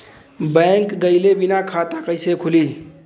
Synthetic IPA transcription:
bɛ̃ŋkɡəɪlebinakʰat̪akəɪsekʰuli

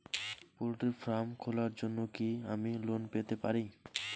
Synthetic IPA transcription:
polʈiɾfɾamkʰolaɾd͡ʑonːokiamilonpet̪epaɾi

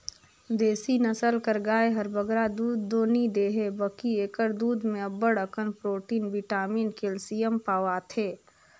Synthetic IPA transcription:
d̪eːsinəsəlkəɾɡaːeɦɐɾbəɡɾad̪uːd̪ːoːnid̪eːɦebəkieːkəɾd̪uːd̪mẽɐbəɽəkənpɾoːʈiːnʋiʈaːmiːnkelsijəmpaːʋaːt̪ʰeː

